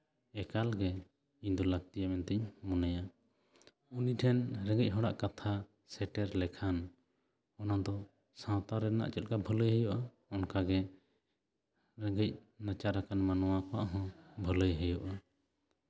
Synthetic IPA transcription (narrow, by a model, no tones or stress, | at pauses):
ɛkalɡɛ | iɲd̪ɔlaɡ̚t̪ijamɛnt̪ɛɲmɔnaja | uniʈʰɛnɾɛ̃ɡəc̚ɦɔɽa̰ʔkat̪ʰa | sɛʈɛɾlɛkʰan | ɔnad̪ɔ | sãwt̪aɾɛna̰ʔt͡ʃɛt̪̚kabʱələjɦəjɔʔa | ɔnkaɡɛ | ɾɛɡəc̚nat͡ʃaɾakanmanɔwakɔaʔɦɔ̃bʱələjɦəjɔʔa